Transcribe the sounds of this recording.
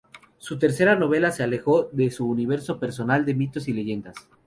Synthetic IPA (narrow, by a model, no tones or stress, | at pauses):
sut̪e̞ɾse̞ɾano̞β̞e̞lase̞ale̞xo̞ðe̞suːniβ̞e̞ɾso̞pe̞ɾso̞nald̪e̞mit̪o̞sile̞ʝe̞nd̪as